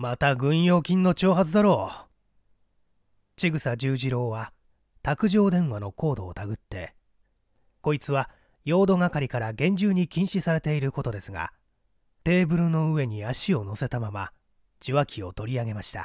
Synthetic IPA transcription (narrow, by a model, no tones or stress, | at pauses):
mat̪aɡɯ̟̃ɰ̃jo̞ːkʲĩnːo̞t͡ɕo̞ːɦat͡sɨd̪aɾo̞ː | t͡ɕiɡɯ̟sad͡ʑɨːʑiɾo̞ːβa | t̪akɯ̟ʑo̞ːd̪ẽ̞ɰ̃βano̞ko̞ːd̪o̞ːt̪aɡɯ̟t̪ːe̞ | ko̞it͡sɨβa | jo̞ːd̪o̞ɡakaɾʲikaɾaɡẽ̞ɲ̟d͡ʑɨːɲ̟ikʲĩɰ̃ɕisaɾe̞t̪e̞iɾɯ̟ko̞t̪o̞d̪e̞sɨɡa̰ | t̪e̞ːbɯ̟ɾɯ̟no̞ɯ̟βe̞ɲ̟iaɕio̞no̞se̞t̪amama | d͡ʑ̥iβakʲʰio̞t̪o̞ɾʲiaɡe̞maɕi̥t̪a̰